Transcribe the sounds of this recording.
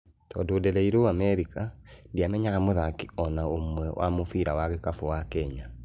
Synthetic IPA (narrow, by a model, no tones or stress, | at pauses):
tɔdoːdɛlɛiɾoamɛɾikandiamɛɲaɣamoðakiɔnaomwɛwʔa̰mofiɾawaɣekafowakɛɲa